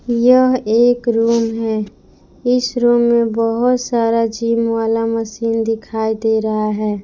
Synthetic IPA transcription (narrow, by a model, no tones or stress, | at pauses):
jəɦeːkɾuːmɦɛː | ɪsɾuːmːẽbəɦʊt̪saːɾad͡ʒiːmwaːlaməsiːnd̪ɪkʰaːid̪eɾəɦaɦɛː